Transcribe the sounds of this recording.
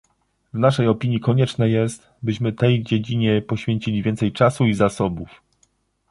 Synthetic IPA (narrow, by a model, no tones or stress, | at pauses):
vnaʂɛjɔpʲiɲjikɔɲɛt͡ʂnɛjɛst̪ | bɘɕmɘt̪ɛjd͡ʑed͡ʑiɲɛpɔɕfʲjeɲt͡ɕilʲivʲjɛnt̪sɛjt͡ʂasuizasɔbuf